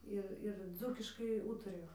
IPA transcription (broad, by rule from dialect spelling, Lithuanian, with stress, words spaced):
ˈɪr ɪr ˈd͡zuːkʲɪʃkɐɪ ˈuːtɐrʲɪjoː